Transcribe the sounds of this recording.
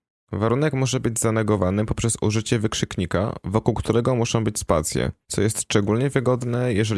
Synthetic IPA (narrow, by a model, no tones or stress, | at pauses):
vaɾunɛkmɔʐɛbɘd͡ʑzanɛɡɔvanɘpɔpʂɛsṵʐɘt͡ɕɛvɘkʂɘkɲika̰vɔkuwkt̪uɾɛɡɔmuʂɔ̃w̃bɘt͡ɕspat̪sʲjɛ̰t̪sɔjɛst̪ʂt͡ʂɛɡulɲɛvɘɡɔd̪nɛjɛʐɛ